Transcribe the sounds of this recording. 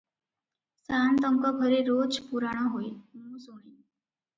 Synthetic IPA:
sant̪əŋkɔɡʱɔɾeɾot͡spuɾaɽ̃ɔɦoimũsoɽ̃i

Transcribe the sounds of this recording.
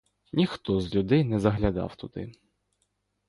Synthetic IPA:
nʲixt̪ɔzlʲud̪ɪjnɛzɐɦlʲɐd̪ɑ̰wt̪ʊd̪ɪ̰

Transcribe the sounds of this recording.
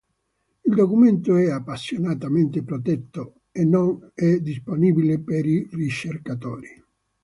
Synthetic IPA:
ild̪okument̪oɛapːasːjonat̪ament̪epɾot̪ɛt̪ːo | enːonɛd̪isponibilepeɾirit͡ʃːerkat̪ɔ̰ːɾi

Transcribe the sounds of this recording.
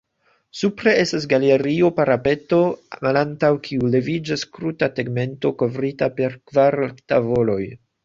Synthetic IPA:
supɾe̞e̞stas̬ɡaleɾiopaɾape̞to̞malantawkʰiule̞vid͡ʒaskɾutateɡme̞nto̞ko̞vɾitape̞ɾkvaɾtavo̞lo̞j

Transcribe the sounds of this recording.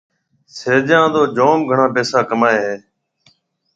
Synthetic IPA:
seːd͡ʒãːd̪oːd͡ʒoːmɡʱəɳãːpeːsaːkəmaːeːɦeː

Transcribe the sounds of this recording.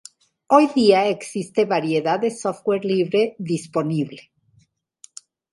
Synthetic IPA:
o̞jðiae̞ksist̪e̞βaɾje̞ðaðesofɣweɾliβɾe̞ðispo̞niβle̞̥

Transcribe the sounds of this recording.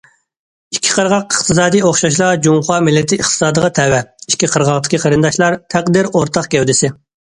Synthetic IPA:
ikʲʰːi̥qʰəɾʁɑqəqt̪ʰɨs̬ɑːd̪ijoχʃɑʃ̬lˠɑd͡ʒuŋqɑːmɪlːɪt̪ʰɪːχt̪ʰɨ̥sɑːd̪əʁɑt̪ʰɛwɛiʃkʲʰːiqʰəɾʁɑqt̪ʰɨ̥kʲʰiqʰəɾɨnd̪ɑʃlˠɑɾt̪ʰæqd̪iɾoɾt̪ʰɑχkʲɛwd̪ɪsɪ

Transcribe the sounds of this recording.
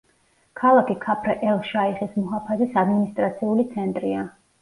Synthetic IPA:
kʰalˠakʰikʰapʰɾɛʔɛlˠʃaiχɛsmɔɦapʰazisad̪minist̪ʼɾat̪sʰiulit̪sʰɛnt̪ʼɾia

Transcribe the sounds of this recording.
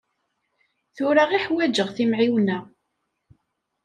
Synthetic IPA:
θʊɾaʁiħwæd͡ʒəʁθimʕiwnæ

